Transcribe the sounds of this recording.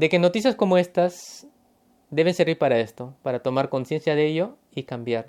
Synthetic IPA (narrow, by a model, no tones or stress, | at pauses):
d̪e̞ke̞no̞t̪is̬jasko̞moe̞st̪as | d̪e̞β̞e̞nse̞ɾβiɾpaɾae̞st̪o̞paɾat̪o̞maɾko̞nsje̞nsjaðeeʝo̞ | ikambjaɾ